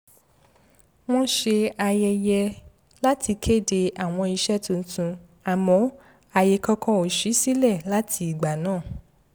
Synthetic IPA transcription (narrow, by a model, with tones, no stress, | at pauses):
w̃ɔ̃˦ʃe˧a˧jɛ˧jɛ˧ | la˦tʰi˧kʰe˦˨de˧ʔa˨w̃ɔ̃˧i˧ʃɛ˦tũ˧n̩˦tũ˧ | a˨mɔ̃˨˦ | a˨jɛ˨kɔ̃˧kɔ̃˧o˨ʃi˨˦si˦lɛ˦˨la˦tʰi˧i˨ɡ͡ba˨nãː˦˨